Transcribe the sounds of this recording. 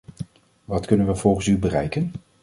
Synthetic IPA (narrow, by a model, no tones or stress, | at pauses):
ʋɑtkɵnənʋəv̥ɔlˠχənsybərɛ̰jkən